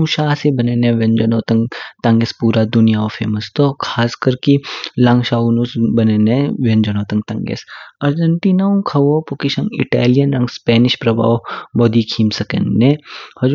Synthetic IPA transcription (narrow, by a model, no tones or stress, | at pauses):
ũʃaːsebɐneːnẽʋɐ̃nd͡ʒɐnoːt̪ɐ̃ŋɡt̪ɐ̃ŋɡespuːɾad̪ʊnijaofʰḛːməst̪okʰaːskəɾkilɐ̃ŋɡʃaːunusbɐneneʋend͡ʒɐnoːt̪ɐ̃ŋɡ̚t̪ɐ̃ŋɡḛsɐɾd͡ʒɐɳʈiːnaũkʰɐʋopʊkiʃɐ̃ŋɡɪ̰ʈaːlijɐnɾɐ̃ŋɡspɛːnɪʃpɾɐba̰ːʋbɔːd̪ikʰiːmsɐkḛnnehɐd͡ʒ